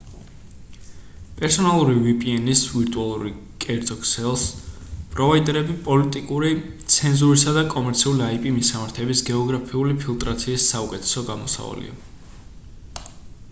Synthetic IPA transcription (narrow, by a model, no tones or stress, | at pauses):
pʼɛɾsɔnalˠuɾivipʼiɛnisviɾt̪ʼualˠuɾi | kʼɛɾd̪zʼɔkʼsɛlˠspʼɾɔvaid̪ʼɛɾɛbipʼɔlit̪ʼikʼuɾit̪sʰɛnzuɾisad̪akʼɔmɛɾt̪sʰiuliaipʼimisamaɾt̪ʰɛbisɡɛɔɡɾapʰiulipʰilˠt̪ʼɾat̪sʰiːsːaukʼɛt̪ʰɛ̥sɔɡamɔsa̰va̰lḭa̰